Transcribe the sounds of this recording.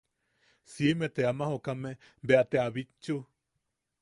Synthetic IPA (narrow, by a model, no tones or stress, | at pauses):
simet̪eamahokame | beat̪eaβit͡ʃːu